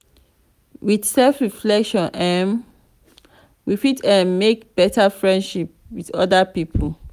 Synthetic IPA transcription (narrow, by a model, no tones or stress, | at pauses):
wiθsɛlfɹiflɛkʃɔ̃nʔɛ̃n | wifitɛ̃nmekb̥ɛtafɹɛ̃ndʃip̚widɔdapipʰəl